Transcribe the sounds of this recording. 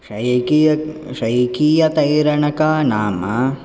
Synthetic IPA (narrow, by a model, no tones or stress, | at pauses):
ʂɐjki | ʂɐjkijɐt̪ɐjɾɐɳɐkaːnaːmɐ